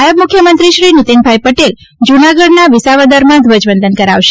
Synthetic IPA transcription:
ajəbmʊkʰjəmənt̪ɾiʃɾinɪt̪inbʱajpəʈel | d͡ʒunaɡəɖnaʋɪsaʋad̪əɾmãd̪ʱʋəd͡ʒbənd̪ʱənkəɾaʋʃe

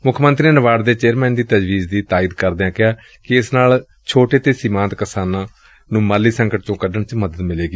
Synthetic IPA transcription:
mʊkʰmə̃nt̪ɾiːeːnəʋaːɽd̪eːt͡ʃeːɾmɛ̃ːnd̪iːt̪əd͡ʒʋiːzd̪iːt̪aːɪd̪kəɾd̪eːãːkɪaː | kɪɪsnaːl | t͡ʃʰoːʈeːt̪eːsɪmãːnt̪kəsaːnãː | nũːmaːlːiːsəŋkəʈt͡ʃõːkəɖəɳt͡ʃməd̪əd̪mɪleːɡiː

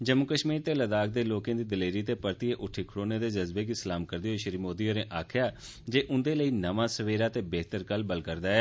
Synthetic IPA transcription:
d͡ʒəmʊkəʃmiːɾt̪eːləd̪aːk̚d̪eːloːkẽːd̪iːd̪əleːɾiːt̪eːpəɾt̪ieːʔʊʈʰiːkʰəɽoːneːd̪eːd͡ʒəzbeːɡisəlaːmkəɾd̪eːɦoːʃəɾiːmoːd̪iːoːɾẽːʔaːkʰɪjaː | d͡ʒeːʔʊ̃nd̪eːləiːnəʋãːsəʋeːɾaːt̪eːbɛːt̪əɾkəlbəlkəɾd̪aːɛː

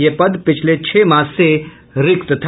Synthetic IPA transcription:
jepəd̪pɪt͡ʃʰlet͡ɕʰeːmaːsːe | ɾɪkt̪ət̪ʰ

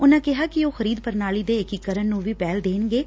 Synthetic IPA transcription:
ʊnãːkɪɦaːkɪoːxəɾiːd̪pəɾnaːliːd̪eːɪkikːəɾənːũːʋiːpɛːld̪eːnɡeː

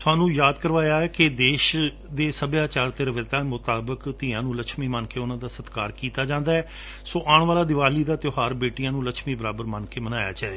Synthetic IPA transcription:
t̪ʰʊaːnũːjaːd̪kəɾʋaːjaːɛːkɪd̪eːʃ | d̪eːsəbjaːt͡ʃaːɾt̪eɾəʋɪt̪aːmʊt̪aːbəkt̪ɪːãːnũːləkʃmiːmənkeːʊnãːd̪aːsət̪kaːɾkiːt̪aːd͡ʒãːnd̪aːɛː | soːʔaːɳʋaːlaːd̪ɪʋaːliːd̪aːt̪joːɦaːɾbeːʈijãːnũːləkʃmiːbəɾaːbəɾmankeːmənaːja̰ːt͡ʃaːe

